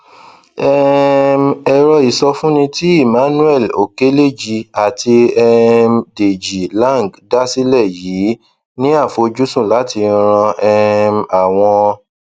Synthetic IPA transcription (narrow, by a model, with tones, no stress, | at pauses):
ɛ˦m˦ɛ˧ɾɔ˧i˨sɔ˧fũ˦nĩ˧ti˦i˦˨mã˨˦nũ˦ɛ˦˨lo˨ke˦le˦˨d͡ʒi˧a˨ti˧ɛ˧m˧de˨d͡ʒi˨lã˦˨ŋ˨ɡda˦si˦lɛ˦˨jiː˨˦ | nĩ˦a˦˨fo˧d͡ʒu˦sũ˦˨la˨˦ti˧ɾ̃ã˧ɛ˧ma˨w̃ɔ̃˧